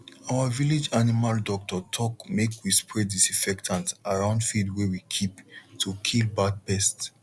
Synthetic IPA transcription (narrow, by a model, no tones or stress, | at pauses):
awaviled͡ʒanimaldɔk̚tɔtʰɔkmekʰwispʰɹɛddisĩfɛktʰãntaɹãʊ̃ndfidwɛwikʰiptʰːukʰilbad̚bɛsts